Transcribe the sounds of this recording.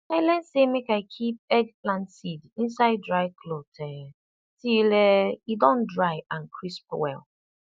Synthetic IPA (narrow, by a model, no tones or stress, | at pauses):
aɪlɛn̩semekaɪkʰip̚ɛɡplãnsidĩnsaɪdɹaɪkʰlotʰɛ | tileidɔ̃ndɹaɪãnkʰɹisp̚wɛ̰l